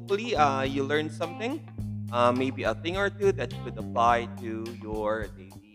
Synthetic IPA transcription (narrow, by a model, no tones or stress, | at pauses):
k̚fəliʌjulɜ̃˞nsʌ̃mθɪ̃ŋ | ʔʌmeɪbiəθɪ̃ŋɔ˞t̪uðɛt̚kʊdəplajtujɔɹdeɪi